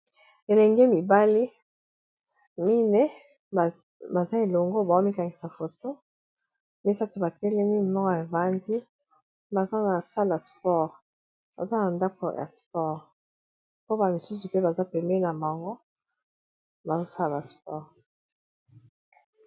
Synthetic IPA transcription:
e˨lɛ˨ŋɡe˦mi˨ba˦li˦ | mi˦ne˦˨ | ba˨za˦e˨lo˨ŋɡo˦ba˨o˦mi˦ka˨ŋɡi˨sa˨fo˨to˦ | mi˦sa˦tu˨ba˨tɛ˦lɛ˦mi˦˨mɔ˦kɔ˦ja˨va˨ndi˦ | ba˨za˦na˨sa˦la˨spɔ˦ʁ | ba̰˨za˦na˨nda˦ko˨ja̰˨spɔ˦˨ʁ | po˦ba˨mi˨su˦s̬u˨pe˦ba˨za˦pɛ˨mɛ˦na˨ma˨ŋɡo˦ | ba˨zo˦sa˦la˨ba˨spɔ˦˨ʁ

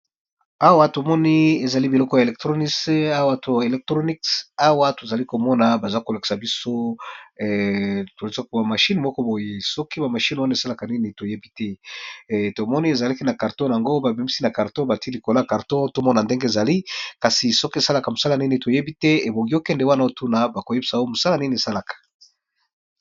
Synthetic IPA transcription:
a˦wa˦to˨mɔ˦ni˦e˨za˨li˦bi˨lɔ˦kɔ˦ja˨e˨lɛ˨k̚tʁo˦ni˦sa˦wa˦tʰo˨e˨lɛ˨k̚tʁo˦ni˦ksa˦wa˦to˨za˨li˦ko˨mɔ˦na˨ba˨za˦ko˨la˨ki̥˨sa˨bi˦so˦˨ | to˨lsa˦ka˨ma˨ʃi˦nmɔ˦kɔ˦bo˨je˨sɔ˦ki˦ba˨ma˨ʃi˦nwa˦n˨e˨sa˦la˨ka˨ni˦ni˦to˨je˦bi˦tɛ˦ | to˨mɔ˦ni˦e˨za˨la˦ki˦na˨ka˨ʁtɔ̃˦˨a˨ŋɡo˦ba˨bi˨mi˦si˦na˨ka˨ʁtɔ̃˦ba˨ti˦li˨ko˨la˦˨ka˨ʁtɔ̃˦to˦mɔ˦na˨nde˦ŋɡe˦e˨za˨li˦ka˨si˨sɔ˦ki˦e˨sa˦la˨ka˨mo˨sa˦la˦˨ni˦ni˨to˨je˦bi˦tɛ˦e˨bo˨ŋɡi˦o˦kɛ˦ndɛ˨wa˦na˦o˦tu˦na˨ba˨ko˨je˦bi˦sa˨˦o˦mo˨sa˦la˦ni˦ni˨e˨sa˦la˨kḁ˨

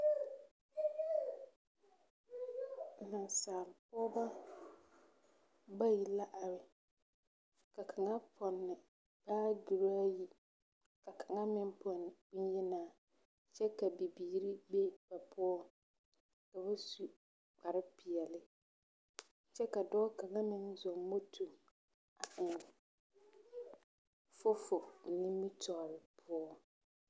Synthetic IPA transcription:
na˨nsaː˨lpʊ˦ɔ˦ba˦ | ba˦ji˨la˦ʔa˨ɾɪ˨ | ka˨kʰa˨ŋa˦pʰɔ˨nːɪ˨ | b̥aː˦ɡi˨ɾa˦a˦ji˦ | ka˨kʰa˨ŋa˦mɪ˦mpʰɔ˨nɪ˨i˦n˦ji˦naː˨ | t͡ʃɛ˦ka˨bi˨biː˨ɾi˦be˦ba˨pʰʊ˦ɔ˦ | ka˨ba˦su˨ | k͡pa˨ɾɪ˦pi˨ɛ˨lɪ˦ | t͡ʃɛ˦ka˨dɔː˦ka˨ŋa˦mɪ˦nzɔ˨mo˦tʰu˨ | a˨ʔɪ˨n | fʊ˦fʊ˨ni˦mːi˦tɔ˨bɪ˨pʰʊ˦ɔ˦

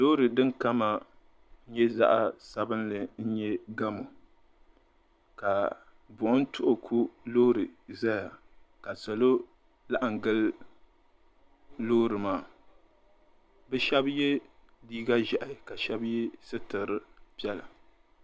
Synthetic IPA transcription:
loː˦ɾɨ˨dɨ˦ŋka˦ma˨˦ | ɲɛ˦za̰˦ʔa˦sa˦bɨ˦nlɨ˨n̩˦ɲɛ˦ɡa˦mo˨ | ka˨ | bʊ˨ʔʊ˦n˦tʰʊ˦ʔʊ˨kʰu˦loː˦ɾɨ˨za˦ja˨ | ka˨sa˨lo˦ | la˦ʔa˨ŋɡɨ˦l | loː˦ɾɨ˨maː˨ | bɨ˦ʃɛ˦bje˦diː˦ɡa˦ʒɛ˨ʔɪ˨ka˨ʃɛ˦bjɛ˦sɨ˦tɨ˨ɾɨ˦pi˦ɛ˦la˨

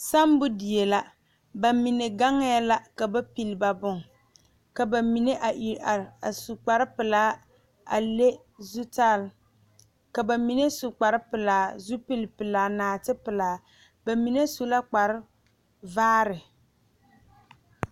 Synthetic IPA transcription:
sa˦mbʊ˦di˨je˨la˦ | ba˨mi˨ne˨ɡa˦ŋ˦ja˦la˦ka˨ba˦pi˨lba˨bʊ˦˨ŋ | ka˨ba˨mi˨ne˦ʔa˨a˨a˨su˨k͡pa˨ɾɪ˦pɪ˨laː˨˦ | a̰˨le˦ | zu˦ta˦˨l | ka˨ba˨mi˨ne˦su˨k͡pa˨ɾɪ˦pɪ˨laː˨˦zu˦pi˦lpɨ˨laː˨naː˨tɪ˦pɪ˨laː˨ | ba˨mi˨ne˦su˦la˦k͡pa˨ɾɪ˦ | vaː˦ɾɪ˨

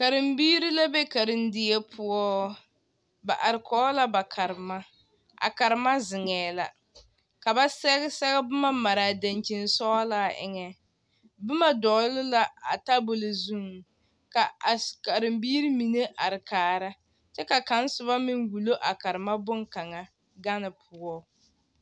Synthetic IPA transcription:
ka˨ɾɪ˨mbiː˦ɾi˦la˦be˦ka˨ɾɪ˦ndɪ˨ɛ˦pʰʊ˦ɔː˦ | ba˨ʔa˨ɾɪ˨kʰɔː˦la˦ba˨kʰa˨ɾɪ˨ma˦ | a̰˨ka˨ɾɪ˨ma˦zɪ˨ŋɛː˨la̰˨ | ka˨ba˦sɛ˦ɣsɛ˦ɡɛ˦bʊ˦ma˦ma˨ɾa˨da˨nt͡ʃi˨nsɔː˦la˦˨ʔɪ̰˨ŋɛ˨ | bʊ˦ma˦˨dɔː˨˦lʊ˦la˨a̰˨ta˦bo˨lo˨zu˦ŋ˨ | ka˨a˨ska˨ɾɪ˨mbiː˦ɾi˦mi˨ne˦ʔa˨ɾɪ˨kaː˨ɾa˦ | t͡ʃɛ˦ka˨ka˨˦n˦sʊ˨βa˦mɪ˦ŋwu˨lo˦ʔa˨ka˨ɾɪ˨ma˦bʊ˦ŋka˨ŋa˨ | ɡa˦nɪ˨pʰʊ˨ɔ˦

